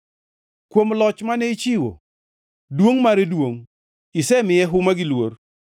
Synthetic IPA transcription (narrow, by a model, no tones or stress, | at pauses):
kwomlɔt͡ʃmanɛit͡ʃɪwo̰ | dwoŋmaɾedwoŋ | ɪsɛmɪjɛɦʊmaɡɪlwor